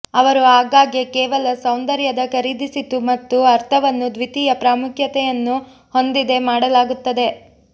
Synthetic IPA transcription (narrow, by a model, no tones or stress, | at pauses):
ɐʋɐɾuaːɡaːɡekɛːʋɐlɐsɐwnd̪ɐɾjɐd̪ɐkɐɾid̪isit̪umɐt̪ːuɐɾt̪ʰɐʋɐnːud̪ʋit̪iːjɐpɾaːmukʰjɐt̪ɛjɐnːu | ho̞nd̪id̪e̞maːɽɐlaːɡut̪ːɐd̪e̞